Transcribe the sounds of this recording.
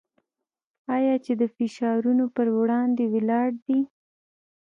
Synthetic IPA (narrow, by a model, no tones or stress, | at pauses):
ɑjɑt͡ʃed̪əfɪʃɑɾunopəɾwɽɑnd̪ewelɑɽd̪i